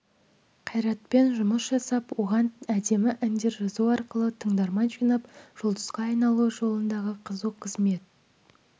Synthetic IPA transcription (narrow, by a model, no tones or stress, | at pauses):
qʰɑjɾɑt̪pe̞nʒʊməsʒɑsɑpwo̞ʁɑnæd̪e̞mɪʔɪnd̪eɾʒəzuwɑɾqəlˠət̪ʰəɴd̪ɑɾmɑnʒijnɑpʒ̥olˠd̪ə̥sqɑːjnɑlˠuʒo̞lˠənd̪ɑʁəqʰəzəqʰəzme̞t̪̚